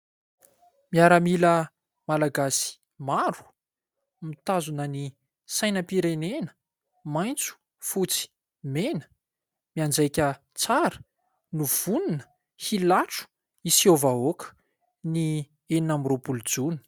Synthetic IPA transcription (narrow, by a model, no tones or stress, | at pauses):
miaɾəmilə | malaɡasi̥ | maɾu̥ | mit̪azunəni | sajnəpiɾenenə̥ | majnt͡su̥ | fut͡si̥ | menə̥ | miand͡zajkʲə | t͡saɾə̥ | nuv̥uninə̥ | hilaʈ͡ʂu̥ | isiovaokə̥ | ni | eninamiropulud͡zuni̥